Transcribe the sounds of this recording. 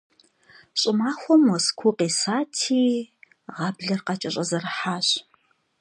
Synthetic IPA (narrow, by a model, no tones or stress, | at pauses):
ɕʼɪmaːxʷɔmɔskʷʰuqeːsaːtʰiː | ʁɑbɮɐrqɑt͡ʃʼɐɕʼɐzɐrħaːɕ